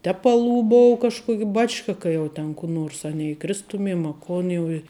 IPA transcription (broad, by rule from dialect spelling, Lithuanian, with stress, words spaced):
ˈtʲæːpɐlˠuː ˈboːʊ kɐʃˈkuɔkʲ ˈbɑːt͡ʃkɐ ˈkɐ jɛʊ tʲɛn kʊ ˈnoːrs ɐ nʲɛiːˈkrʲɪstʊmʲiɛm ɐ ˈkoːn jɛʊ ɪ